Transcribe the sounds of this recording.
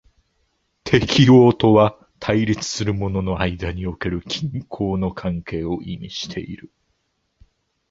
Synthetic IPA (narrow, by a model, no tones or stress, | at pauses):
t̪ʰe̞kʲio̞ːt̪o̞βa | t̪ʰaiɾʲit͡sɨ̥sɨɾɯ̟mo̞no̞no̞aid̪aɲ̟io̞ke̞ɾɯ̟kʲʰĩŋkʰo̞ːno̞kʰãŋke̞ːo̞ʔimʲḭɕi̥t̪ʰe̞̰ḭɾɯ̟